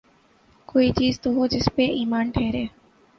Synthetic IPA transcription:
koːiːt͡ʃiːzt̪oɦoːd͡ʒɪspeːʔiːmaːnʈʰeːɾeː

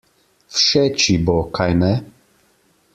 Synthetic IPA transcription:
fʃɛt͡ʃibɔkʰajnɛ

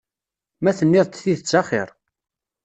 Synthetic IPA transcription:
mæθənːɪðˤt̪θiðət͡sːɑχɪɾˤ

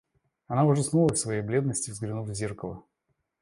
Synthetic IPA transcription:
ɐnavəʐɨsnulˠəfʲsvɐjejblʲe̞d̪nəsʲtʲɪvzɡɾʲɪnufvzʲerkəlˠə̰

